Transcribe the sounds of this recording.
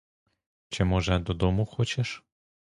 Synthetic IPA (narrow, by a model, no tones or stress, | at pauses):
t͡ʃɪmɔʒɛd̪ɔd̪ɔmuxɔt͡ʃɛʃ